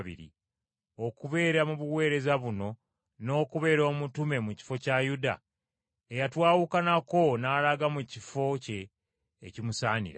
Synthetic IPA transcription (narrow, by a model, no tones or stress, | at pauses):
βḭɾḭ | o̞kuβe̞ːɾamuβuwe̞ːɾe̞zaβuno̞ | no̞ːkuβe̞ːɾo̞ːmutume̞muci̥fo̞cajuda̰ | ejatwaːwukanako̞naːlaɡamucifo̞ce̞ː | cimusaːnḭɾa̰